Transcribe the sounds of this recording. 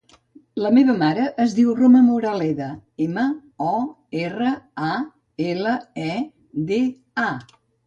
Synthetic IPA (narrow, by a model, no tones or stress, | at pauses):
ləmeβəmaɾəʔːzðiwroməmuɾəlɛðəeməɔ | erəa | eləɛ | d̪e | a